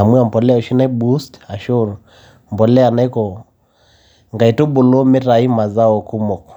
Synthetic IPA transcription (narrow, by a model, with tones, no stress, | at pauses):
a˨mwi˦a˨mpɔ˨lɛ˦ɔ˨ʃi˦na˦i˦bu˦sta˨ʃɔ˦ɾ | m̩˨bɔ˨lɛ˦a˨na˦i˦kɔ˨ | ŋɡa˨i˨tu˦ɓu˨lɔ˦mɛ˦ɾa˨i˦ma˨za˦ɔ˨ku˦mɔ˨kɔ̥˨